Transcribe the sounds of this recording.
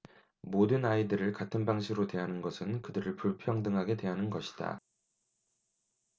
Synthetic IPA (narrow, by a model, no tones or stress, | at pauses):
modɯnaidɯɾɯɭkatʰɯnbaŋɕʰiɡɾodwe̞ɦanɯnɡʌsʰɯnkɯdɯɾɯɭpuɭpʰjʌŋdɯŋɦaɡe̞dwe̞ɦanɯnɡʌɕʰi̥d̥a̰